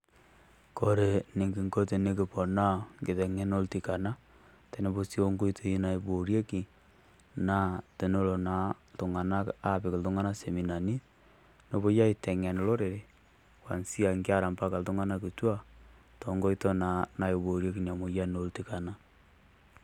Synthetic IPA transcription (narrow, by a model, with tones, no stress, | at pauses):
ko˨ɾe˨ne˨ŋɡi˨ŋɡo˦te˨ne˦ki˨pɔ˨na˦ŋɡɪ˨tɛ˨ŋɛ˦no˦lti˨ka˨na˦ | te˨ne˦bo˦si˦o˦ŋɡo˦i˦tʰo˨i˦na˨i˨bo˨ɾje˦ki˨ | na˦te˨no˦lo˨na˨˦ | tʊ˨ŋa˨na˦ka˦˨pɪ˨ke˨ltʊ˦ŋa˦na˦se˨mi˨na˨ni˦ | no˨βo˦ja˦i˨tɛ˨ŋɛ˨n˨lo˦ɾe˨ɾe˦ | kwa̰˨nsi˦a˨ŋɡa˦˨ɾa˨mpa˦ka˨ltʊ˦ŋa˦na˦ki˨twa˦ | to˨ŋɡo˦i˦to˦na˨na˦i˨βo˨ɾje˦ki˨nja˨mo˨ja˦no˦lti˨ka˨na˦